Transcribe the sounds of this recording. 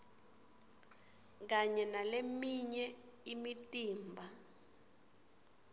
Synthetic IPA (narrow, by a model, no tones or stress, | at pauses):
k̬aɲɛnalemiɲɛimitʼiːmbʱa